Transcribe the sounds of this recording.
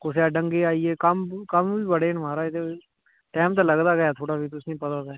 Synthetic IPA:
kʊseaɖə̃ŋɡeːaːieːkəmkəmbiːbəɽeːnmaːɾaːɪt̪e | ʈɛːmt̪aləɡd̪aːɡəjaːt̪ʰoːɽaːbiːt̪ʊsnĩːpət̪aːt̪ɛː

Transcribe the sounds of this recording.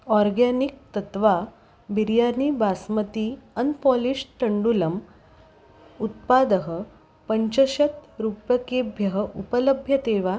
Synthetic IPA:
ɔɾɡanik̚t̪ɐt̪ʋa | biɾjaniːbasmət̪iənpɔliɕʈ̪əɳɖuləm | ut̪̚pad̪əɦə | pəɲt͡ɕəɕɐt̪ɾupjɐkebʱjɐɦəʔupələbʱjɐt̪eʋa

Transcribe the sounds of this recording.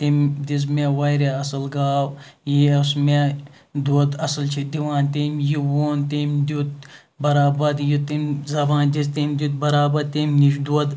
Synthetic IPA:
t̪imd͡ʒis̬meʋɐjɾeɐsɐlɡaːwjisme | d̪ut̪ɐsɐlt͡ʃʰid̪iʋaːnt̪imjiwoːnt̪imd̪ut̪̚ | bɐɾaːbɐd̪jit̪imzɐbãːnd͡ʒis̬t̪imd̪ʲut̪̚bɐɾaːbɐd̪t̪imniʃd̪uɐd̪

